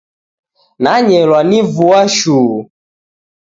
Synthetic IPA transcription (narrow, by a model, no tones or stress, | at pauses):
naɲɛɾwanivuaʃuː